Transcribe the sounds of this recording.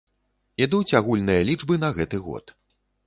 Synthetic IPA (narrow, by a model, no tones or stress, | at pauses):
id̪ut͡sʲaɣulʲnɨjɐlʲid͡ʐbɨnɐɣɛt̪ɨɣɔ̰t̪